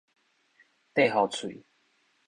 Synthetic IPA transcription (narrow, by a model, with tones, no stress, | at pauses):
t̪e˥˧ɦɔ˨˩t͡sʰwḭ˨